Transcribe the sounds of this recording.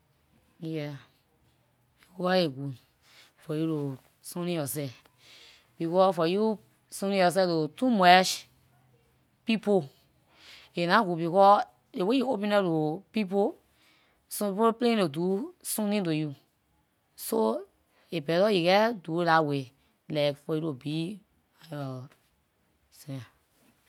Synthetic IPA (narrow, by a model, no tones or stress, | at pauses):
jɛ | bikɔeɡu | fɔjulo | sõnĩjɔsɛ | b̥ikɔfɔju | sõnĩjɔs̬ɛlotumɛʃ | pipo | enãɡubikɔ | ewejuopĩnɛtopipo | spoplẽlodusũnĩt̬oju | so | ebɛtɔjikɛdulawe | lakfɔjuɾobi | alɔ | sa